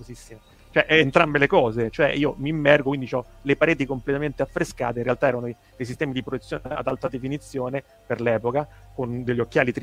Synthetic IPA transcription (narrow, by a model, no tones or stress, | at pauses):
ozisːime | t͡ʃoɛʔːnt̪ɾambelekɔːzet͡ʃoɛ̰iːomiːmːɛrɡokwind̪it͡ʃɔlepaɾeːt̪ikomplet̪ament̪eafːɾeska̰ːt̪einrːealt̪aɛːɾano | d̪ejs̬ist̪ɛːmid̪ipɾoj̪et̪sːjoːnea̰d̪alt̪ad̪efinit̪sːjoːne | perlɛːpokakond̪eʎːokːjaːlit̪ɾ